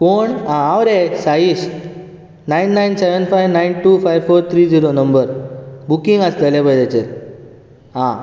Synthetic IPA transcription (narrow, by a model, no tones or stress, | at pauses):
foɳɦãaʋɾesaɦiɕ | najnːajnseʋənfajʋnajnʈuːfajʋfoɾt̪ʰɾiːd͡ziɾonəmbəɾbukiŋɡəst̪əlẽbəjd͡ʑet͡ɕeɾ | ɦã